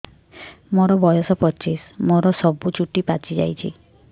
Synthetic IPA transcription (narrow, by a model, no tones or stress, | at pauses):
moɾɔbɔjɔsɔpɔt͡ʃismoɾɔsɔbut͡ʃuʈipat͡ʃid͡ʒa̰jt͡ʃʰḭ